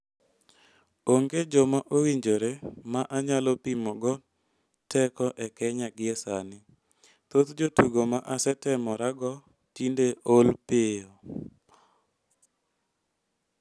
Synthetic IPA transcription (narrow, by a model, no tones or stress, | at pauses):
oŋɡed͡ʒɔmaʔowiɲd͡ʒoɾemaʔaɲalɔpimɔɡɔ | tɛkɔʔɛkɛɲaɡɪɛsanɪ | t̪ot̪d͡ʒotuɡomaʔasɛtɛmɔɾaɡɔ | tindeʔolpɪɔ